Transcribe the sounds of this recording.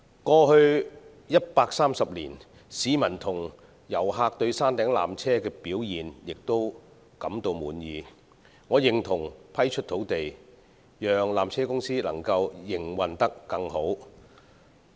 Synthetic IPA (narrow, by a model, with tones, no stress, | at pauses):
kɔː˧hɵ˧ɥ | jɐ˥t̚paː˧k̚saː˥msɐ˨p̚liː˨˩n | siː˨˥mɐ˨˩nt̪ʰʊ˨˩ŋ | jɐ˨˩wɦaː˧k̚t̪ɵ˧ɥsaː˥nt̪ɛː˨˥ŋla̰ː˨mt͡sʰɛː˥kɛː˧piː˨˥wjiː˨njɪ˨k̚t̪o˥w | kɐ˨˥mt̪o˧wmuː˨˧njiː˨˧ | ŋɔː˨˧jɪ˨ŋt̪ʰʊ˨˩ŋpʰɐ˥jt͡ʃʰɵ˥t̚t̪ʰo˨˥wt̪e˨j | jœː˨ŋlaː˨mt͡sʰɛː˥kʊ˥ŋsiː˥lɐ̰˨˩ŋkɐ˧wjɪ˨ŋwɐ˨nt̪ɐ˥kːɐ˧ŋho˨˥w